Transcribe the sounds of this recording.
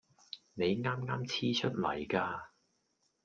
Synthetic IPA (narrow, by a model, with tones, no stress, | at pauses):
ne˨˧jŋaː˥mŋaː˥mt͡sʰiː˥t͡ʃʰɵ˥t̚lɐ̰˨˩jkaː˧